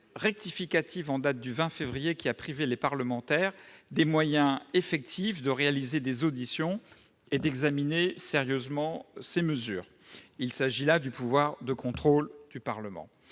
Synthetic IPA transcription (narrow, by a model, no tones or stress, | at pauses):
ʁɛk̚t̪ifikat̪ivɑ̃d̪at̪̚d̪yvɛ̃fevʁijekʲiapχivelepaʁləmɑ̃t̪ɛʁd̪emwajɛ̃efɛk̚t̪ʰifd̪əʁealized̪ezod̪isjɔ̃ | ed̪ɛɡzamineseʁjøzmɑ̃seməzy̰ːʁ | ilsaʒilad̪ypuvwaʁd̪əkɔ̃t̪χold̪̥ypaʁləmɑ̰̃